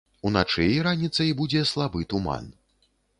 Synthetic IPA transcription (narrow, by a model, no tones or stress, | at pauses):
unat͡ʂɨjiɾanʲit̪sɐibud͡zʲɛslˠabɨt̪uma̰n